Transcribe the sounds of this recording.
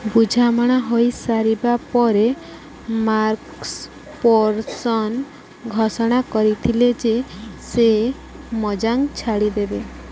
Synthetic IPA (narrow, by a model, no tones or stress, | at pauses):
bud͡ʒʱamɔɽ̃aɦojsaɾibapɔɾe | maɾks | pɔɾsɔn | ɡʱɔsɔɽ̃akɔɾit̪ʰiled͡ʒese | mɔd͡ʒaŋt͡ʃʰaɽid̪ebe